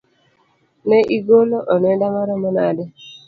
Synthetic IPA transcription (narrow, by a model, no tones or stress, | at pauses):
nɛʔiɡoloʔɔnɛndamaɾɔmɔnadɛ